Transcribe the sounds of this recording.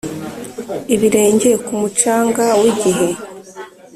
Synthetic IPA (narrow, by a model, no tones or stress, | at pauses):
iβiɾe̞ːɲɟeekumut͡ʃaːŋɡawiɟiɦe̞